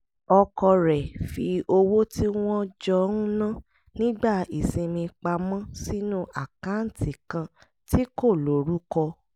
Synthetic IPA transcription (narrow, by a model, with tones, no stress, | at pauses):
ɔ˧kɔ˧ɾɛ˨fi˧o˧wo˦ti˦w̃ɔ̃˦d͡ʒɔ˧˦n̩˦nã˦ | nĩ˦ɡ͡ba˦˨i˨sĩ˧mĩ˧k͡pa˧mɔ̃˦si˦nũ˦ʔa˨kã˨˦n̩˨ti˨kã˧ | ti˦ko˦˨lo˨ɾu˨˦kɔ˧